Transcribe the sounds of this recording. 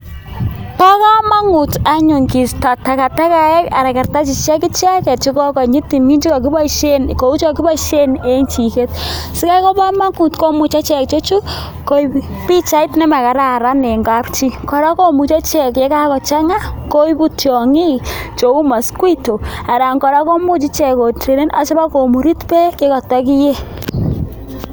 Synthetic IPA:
pa˦ka˦ma˦ŋu˨ta˦ɲu˨ŋki˨sta˨ta˨ka˨ta˦ka˨ɛ˦ka˨ɾa˨ka˨rta˦t͡ʃi˨t͡ʃɛ˦ki˦t͡ʃɛ˦kɛ˨t͡ʃi˦kɔ˦kɔ˨ɲi˦ti˨mi˦nt͡ʃi˦ka˨ki˦ba˦ʃe˦nko˨u˦t͡ʃa˨ki˦ba˦ʃe˦ne˦ŋt͡ʃi˨ke˦t̚sɪ˦ka˦jkɔ˦pa˦ma˦ŋu˨tko˦mu˨t͡ʃa˦t͡ʃɛ˨k̚t͡ʃo˦t͡ʃu˦ | ko˦i | pi˦t͡ʃa˦ɪ˦tnɛ˦ma˨ka˨ɾa˦˨ɾa˦ne˨ŋɡa˦pt͡ʃi˦kɔ˨ɾa˦ko˦mu˨t͡ʃɔ˦t͡ʃɛ˨kje˨˦ka˦kɔ˨t͡ʃa˦ŋa˦ko˦i˦pu˦tjɔ˨ŋi˦t͡ʃo˨u˦ma˨skwi˦to˨a˨ɾa˨ŋkɔ˨ɾa˦ko˦mu˦t͡ʃi˦t͡ʃɛ˦˨ko˨te˨ɾe˦nʔa̰˦t͡ʃɔ˦ba˦ko˨mu˨ɾi˦tpɛ˦ke˦kɔ˨ta˦ki˦je˦

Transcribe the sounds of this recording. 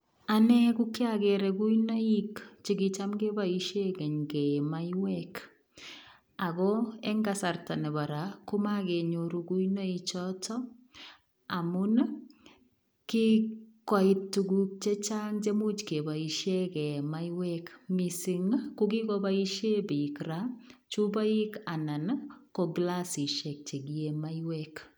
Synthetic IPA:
a˨nɛ˦ku˦ki˦aɡɛɾɛɡu˦ina˦ikt͡ʃi˨ɡi˨t͡ʃamɡe˦baiʃe˦kɛ˨ɲkɛ˨majwɛk | a˨ɡɔ˦ɛ˦ŋɡasa˨rta˨nɛ˨ba˨ɾa˨ku˦ma˦ɡe˨ɲoɾu˨ɡu˦ina˦i˨t͡ʃɔtɔ˦ | amuna | ki˦kwa˦i˦ttːu˨ɡuk̚t͡ʃɛ˦t͡ʃa˦nd͡ʒe˦mu˦t͡ʃke˨ba˨i˨ʃe˦kɛ˨ma˦jwɛkmi˨si˨ŋkuɡi˦kɔ˦ba˦i˦ʃe˦bi˨kɾa˦t͡ʃu˦ba˦i˦ka˨na˨nkɔ˨ɡla˦si˨ʃɛ˨k̚t͡ʃe˨ɡie˨ma˦jwɛk

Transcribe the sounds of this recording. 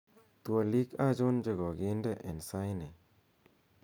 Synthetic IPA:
t̪wa˨li˦ka˦˨d͡ʒo˦nd͡ʒə˧ɡɔ˨ɡi˦ndə˦ʔe˨nsa˦jne˨

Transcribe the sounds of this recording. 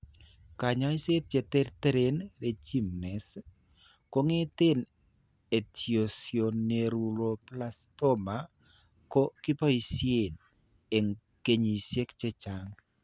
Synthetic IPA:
ka˨ɲɔ˦i˦se˦t̚t͡ʃe˧te˦rtɛ˦ɾenre˨t͡ʃi˦mnɛ˨s | ko˦ŋe˦te˦n | e˨tiosioneɾu˨ɾo˨plasto˦ma | ko˦ki˦pɔ˦i˨sie˨n | e˨ŋ | ke˨ɲi˨sje˦kt͡ʃɛ˦t͡ʃaŋ

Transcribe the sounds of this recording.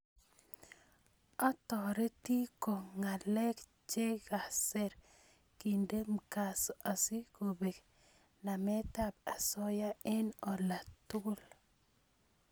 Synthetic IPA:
ɔ˦tɔ˨ɾe˦ti˦ko˨ŋa˨lɛ˦k | t͡ʃe˦ɡa˨sɛ˦ɾ | ki˨nde˦m̩ka˨sa˨si˦ko˨be˨k | na˨mɛ˦ta˦b̚a˨sɔ˦ja˦ɛ˦nɔ˨la˨tʊ˦ɡl

